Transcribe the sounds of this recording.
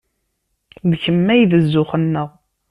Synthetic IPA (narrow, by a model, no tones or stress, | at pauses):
ðəçəmːæjvəzːʊχənːəʁ